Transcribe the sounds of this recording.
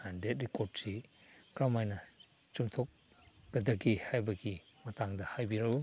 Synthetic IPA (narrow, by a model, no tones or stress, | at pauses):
andet̚ɾikoɾdsi | kɾamajnɐ | t͡ʃuŋtʰok̚ː | ɐdɐɡihajbɐɡi | mɐtaŋdɐhajbiɾɐɡu